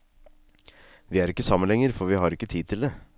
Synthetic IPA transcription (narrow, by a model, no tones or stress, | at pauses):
ʋiːæːɾɪkːəsɑmənɛŋəɾfɔɾʋihɑːɾɪkːət̪ʰiːd̪̚t̪ʰɪld̪e